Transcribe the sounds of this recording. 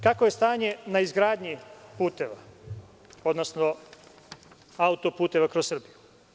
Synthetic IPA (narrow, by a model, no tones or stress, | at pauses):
kako̞je̞st̪aːɲe̞naizɡɾaːd̪ɲipuːt̪eʋa̰ | o̞d̪nosno | aut̪o̞puːt̪e̞ʋakɾossr̩biju